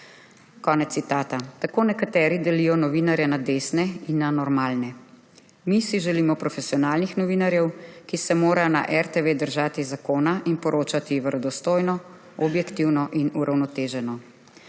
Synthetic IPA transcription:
kɔːnɛt̪ːit̪aːt̪at̪akoːnɛkat̪ɛːɾid̪ɛlijɔnɔʋiːnaɾjɛnad̪eːsnɛinːanɔɾmaːlnɛ | misiʒɛliːmɔpɾɔfɛsiɔnaːlnixnɔʋiːnaɾjɛwkisɛmoːɾajɔna̰ʔɛɾt̪eʋed̪əɾʒaːt̪izakoːnaʔinpɔɾʔoːt͡ʃat̪iʋəɾɔd̪ɔst̪oːjnɔ | ɔbjɛkt̪iwnɔʔinuɾʔawnɔt̪eːʒɛnɔ

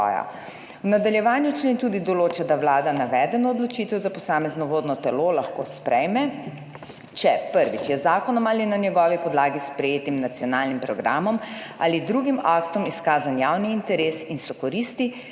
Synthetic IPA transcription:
ja̰ | wnad̪aljɛʋaːnjut͡ʃleːnt̪ud̪id̪ɔloːt͡ʃad̪aʋlaːd̪anaʋɛːd̪ɛnɔːd̪lɔt͡ʃiːt̪ɛwzapɔsaːmɛznɔʋoːd̪nɔt̪ɛlolaxkospɾɛjmɛ | t͡ʃɛpəɾʋit͡ʃjɛzaːkɔnɔmaːlinanjɛɡɔːʋipɔd̪laːɡispɾɛjeːt̪imnat̪sijɔnaːlnimpɾɔɡɾa̰ːmɔma̰lid̪ɾuːɡimaːkt̪ɔmiskaːzanjaːwniint̪ɛɾeːsinsɔkɔɾist̪i

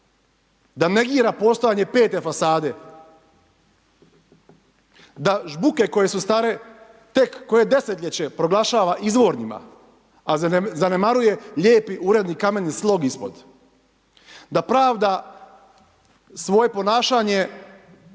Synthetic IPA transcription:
d̪ane̞ɡiːɾapo̞st̪o̞jaɲe̞pe̞ːt̪e̞fasaːd̪e̞ | d̪aʒbuke̞ko̞je̞sust̪aɾe̞ | t̪e̞kːo̞je̞d̪e̞set̪ʎʲet͡ɕe̞pɾo̞ɡlˠaʃaːʋaʔizʋo̞ɾɲima̰ | azane̞maɾuje̞ʎeːpiʔuɾe̞d̪nikame̞nslˠo̞ɡispo̞̰d̪ | d̪apɾaːʋd̪a | sʋo̞je̞po̞naːʃaːɲe̞

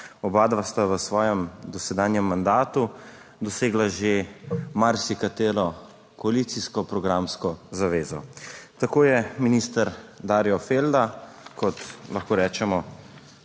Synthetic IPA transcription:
ɔbaːd̪ʋast̪aʋəsʋɔːjɛmd̪ɔsɛd̪aːnjɛmːand̪aːt̪u | d̪ɔseːɡlaʒemaɾsikat̪eːɾɔ | kɔaliːt̪siskɔpɾɔɡɾaːmskɔzaʋeːzɔt̪akoːjɛminiːst̪əɾd̪aːɾjɔfeld̪akɔt̪laxkoːɾɛːt͡ʃɛmɔ

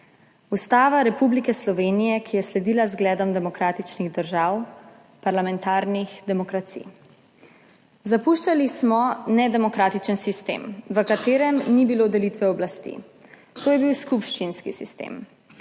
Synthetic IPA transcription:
ust̪aːʋaɾɛpublikɛslɔʋeːnijɛkijɛslɛd̪iːlazɡlɛːd̪ɔmd̪ɛmɔkɾaːt̪it͡ʃniɣd̪əɾʒaːw | paɾlamɛnt̪aːɾnixd̪ɛmɔkɾat̪sḭ | zapuʃt͡ʃalismɔnɛd̪ɛmɔkɾaːt̪it͡ʃənsist̪ḛːmʋəkat̪eːɾɛmnibilod̪ɛlit̪ʋɛɔblast̪ḭ | t̪oːjɛbiwskupʃt͡ʃinskisist̪ḛm

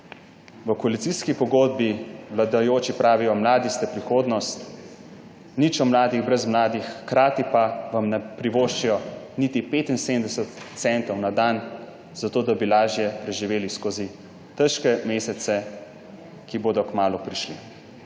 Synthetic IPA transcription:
ʋəkɔalit̪iskipɔɡoːd̪̚biʋlad̪ajoːt͡ʃipɾaːʋijɔmlaːd̪ist̪ɛpɾixoːd̪nɔst̪ | nit͡ʃɔmlaːd̪iɣbɾɛzmlaːd̪ixːkɾaːt̪ipaʋamnɛpɾiʋoːʃt͡ʃijɔ | nit̪ipeːt̪inseːmd̪ɛsət̪t̪sɛnt̪ɔwnad̪aːn | z̥at̪oːd̪abilaːʒijɛpɾɛʒiʋeːliskoːzi | t̪ɛʃkɛmeːsɛt̪sɛ | kiboːd̪ɔkmaːlupɾiʃlḭ

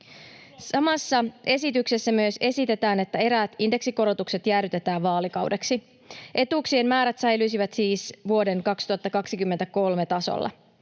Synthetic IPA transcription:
sɑmɑsːɑʔe̞sit̪ykse̞sːæmyøse̞sit̪e̞t̪æːne̞t̪ːæe̞ɾæːt̪inde̞ksiko̞ɾo̞t̪ukse̞t̪jæːryt̪e̞t̪æːʋʋɑːlikɑwde̞ksi | ʔe̞t̪uːksie̞mmæːɾæt̪sɑjlys̬iʋæt̪siːsʋuo̞de̞ŋkɑkst̪uɑt̪ːɑkɑksikymːent̪æko̞lme̞t̪ɑso̰lːɑ̰

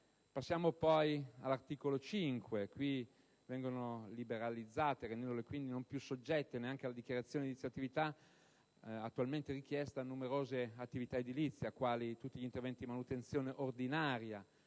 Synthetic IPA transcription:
pasːjaːmopɔjalːart̪iːkolot͡ʃiŋkwekwi | vɛŋɡonolibeɾalid̪zːaːt̪eɾẽnd̪ɛnd̪olekwind̪inompjusod͡ʒːɛt̪ːeneaŋk̟ealːad̪ikʲjaɾat̪sːjoːned̪it̪sjat̪ːivit̪a | at̪ːualment̪eɾik̟jɛst̪aːnːumeɾoːzeat̪ːivit̪aed̪ilit̪sːjiakːwaːlit̪ut̪ːiʎint̪ervɛnt̪id̪imanut̪ensjoːneʔord̪inaːɾja

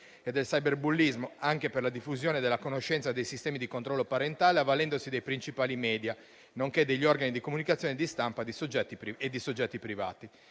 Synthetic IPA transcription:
ed̪ːelsajberbulːizmoaŋkeperlad̪ifːuzjoːned̪elːakonoʃːɛnt̪sad̪ejsist̪ɛːmid̪ikont̪ɾɔlːopaɾent̪aːleavːalɛnd̪osid̪ejpɾint͡ʃipaːlimɛːd̪ja | noŋked̪eʎːiɔrɡanid̪ikomunikat̪sjɔːned̪ist̪ampad̪isod͡ʒːɛt̪ːipɾied̪ːisod͡ʒːɛt̪ːipɾiva̰ːt̪i

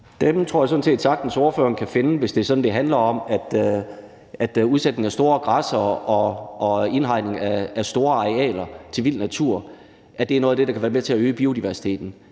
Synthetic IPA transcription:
d̥emt͡sʰʁoɐjɑsɔ̽dn̩se̝̰ːd̥sɑ̈ɡ̥̚d̥n̩soːɐføɐŋkʰæfe̝nəʋe̝sd̥e̝sɒ̽d̥n̩d̥e̝ɦænlɐɒ̽mæd̥ | æd̥uð̞ˠsed̥ne̝ŋæsd̥o̝ːɐɡ̥ʁɑsɐɒʔɒ̽e̝nɦɑ̈ɪ̰ne̝ŋæːsd̥o̝ːɐɑ̈eɛ̰ːlɐt͡sʰe̝ʋil̰næt͡sʰuɐ̰ | ʔæd̥e̝ænɔːð̩ˠd̥e̝d̥ɑkʰæʋæːɐmet͡sʰe̝æøːb̥iːo̝d̥iʋæɐsi̥t͡sʰe̝̰ːd̥n̩

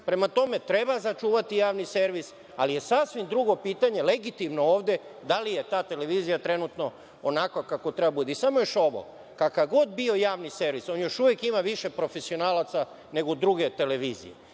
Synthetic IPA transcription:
pɾe̞mat̪o̞me̞t̪ɾe̞bazat͡ʃuːʋat̪ijaːʋnise̞ɾʋis | a̰lije̞sasʋimd̪ɾuɡo̞piːt̪aɲe̞le̞ɡit̪imno̞oːʋd̪e̞d̪alije̞t̪aːt̪e̞le̞ʋiːzijat̪ɾe̞nut̪no̞ | onakokako̞t̪ɾe̞babud̪eisamojoʃo̞ʋo̰ | kakaɡo̞d̪bio̞jaːʋnise̞ɾʋiso̞njo̞ʃuʋjekimaʋiʃe̞pɾo̞fesio̞naːlat̪sa | ne̞ɡod̪ɾuɡe̞t̪e̞le̞ʋiːzḭjḛ

